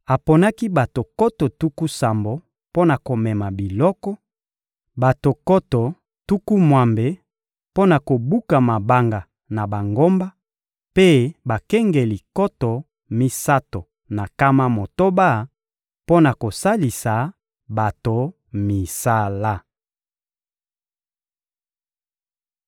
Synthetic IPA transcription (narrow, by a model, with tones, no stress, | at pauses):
a˨po˨na˦ki˦ba˨to˨kɔ˦to˨tu˦ku˦sa˨mbo˨ | po˦na˨ko˨mɛ˨ma˨bi˨lɔ˦kɔ˦ | ba˨to˨kɔ˦tɔ˨ | tu˦ku˦mwa˨mbe˨ | po˦na˨ko˨bu˦ka˨ma˨ba˦ŋɡa˨ | na˨ba˨ŋɡo˦mba˦ | pe˦ba˨kɛ˦ŋɡe˨li˨kɔ˦tɔ˨ | mi˦sa˦to˨ | na˨ka˦ma˦mo˨to˦ba˦˨ | po˦na˨ko˨sa˦li˨sa˨ | ba˨to˨ | mi˨sa˦la˦